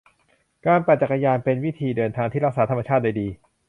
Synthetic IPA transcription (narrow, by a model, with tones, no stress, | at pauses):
kaː˧npa˨˩t͡ɕa˨˩kːa˧jaː˧npe˧nwi˦˥t̪ʰiː˧dɤː˧nt̪ʰaː˧ŋt̪ʰiː˥˩ɾa˦˥k̚saː˩˦t̪ʰa˧ma˧t͡ɕʰaː˥˩t̪̚da˧jdiː˧